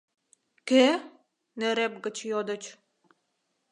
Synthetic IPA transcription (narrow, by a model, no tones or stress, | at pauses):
ke | neɾep̚ɡə̆t͡ɕjod̪ə̆t͡ɕ